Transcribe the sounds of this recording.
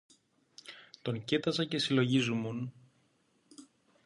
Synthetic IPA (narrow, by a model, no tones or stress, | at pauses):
t̪o̞ɲcit̪ɐsɐce̞silo̞ʝizumun